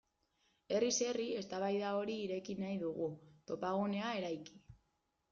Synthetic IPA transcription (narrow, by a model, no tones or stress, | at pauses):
e̞rise̞rie̞st̪aβajðao̞ɾiːɾe̞kinajðuɣ̞ut̪o̞paɣ̞une̞ae̞ɾajki̥